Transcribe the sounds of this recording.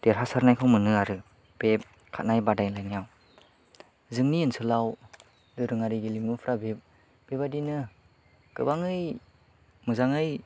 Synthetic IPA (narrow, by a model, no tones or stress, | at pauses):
d̥eɾɦasaɾnajkʰɯwmɯnɯaɾɯ | b̥ep̚ | kʰa̰t̚najbadajlajnijaw | zɯŋniːnsʰɯlaw | dɯɾɯŋaɾiɡilimupʰɾabe | b̥ebadinɯ | kɯbaŋɯj | mɯzaŋɯj